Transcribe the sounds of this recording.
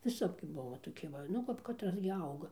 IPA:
ʋʲɪˈsɐp ɡʲɪ ˈbʊʋɐ toːˈkʲɪ ˈʋɐ ˌnʊ kɐp kɐtˈrɐs ɡʲɪ ˈɐʊɡɐ

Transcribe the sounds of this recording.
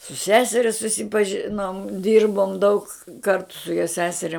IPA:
sʊ ˈsʲæːsʲɛrʲɛ sʊsʲɪpɐˈʒʲɪnoːm ˈdʲiːrboːm dɐʊk ˈkɐrtʊ joː ˈsʲæːsʲɛrʲɛ

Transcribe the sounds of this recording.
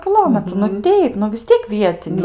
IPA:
kʲɪˈlˠoːmʲɛtrʊ nʊ ˈtʲɛɪp nʊ ʋʲɪs ˈtʲiɛk ˈʋʲiɛtʲɪnʲɛɪ

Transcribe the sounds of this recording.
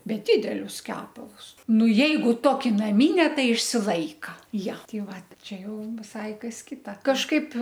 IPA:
ˈbʲɛt ˈdʲɪdʲɛlʲʊs ˈkʲæːpɐlˠʊs ˈnʊ ˈjɛɪɡʊ ˈtoːkʲɪ nɐˈmʲɪnʲɛ ˈtɐɪ ɪʃʲsʲɪˈlˠɐɪkɐ ˈjɛ ˈtʲɪ ˈʋɐt ˈt͡ʃʲɛ ˈjɛʊ ʋʲɪˈsɐɪ ˈkɐs ˈkʲɪtɐ kɐʃˈkɐɪp

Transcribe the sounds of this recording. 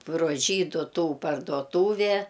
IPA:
proː ˈʒʲiːdʊ ˈtuː pɐrdoːˈtuːʋʲɛ

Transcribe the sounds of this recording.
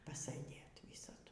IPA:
pɐsɘˈdʲeːt ˈʋʲiːsɐdʊ

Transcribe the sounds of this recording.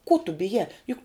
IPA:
kuɔ tʊ bʲɪˈjæː ˈjʊk

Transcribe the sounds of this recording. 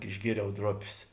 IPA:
ɪʒʲˈɡʲiɛrʲɛʊ ˈdroːpʲeːs

